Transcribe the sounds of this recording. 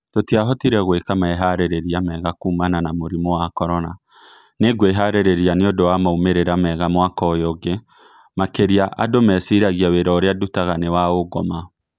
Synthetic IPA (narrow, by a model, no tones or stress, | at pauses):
totijaɦɔtiɾɛɣwekamaɛɦaɾeɾeɾiamɛɣakuːmananamoɾimɔwakɔɾɔna | neɡweɦaɾeɾeɾianeodowamaumeɾeɾamɛɣamwakɔjɔɡe | makeɾiaʔa̰domɛsiɾaɣiaweɾɔːɾeadutaɣanewaoɡɔma